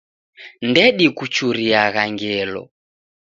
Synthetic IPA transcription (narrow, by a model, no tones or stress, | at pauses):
ndɛɗikut͡ʃuɾiaɣaŋɡɛlɔ̰